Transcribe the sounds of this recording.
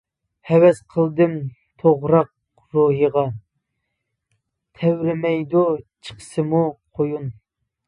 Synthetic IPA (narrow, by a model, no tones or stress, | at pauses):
hɛwɛsqʰəlˠd̪ɨm | t̪ʰoʁɾɑq̚ | ɾoɦɨʁɑ | t̪ʰɛwɾɪmɛjd̪ut͡ʃʰə̥qʰə̥sɨmuqʰojun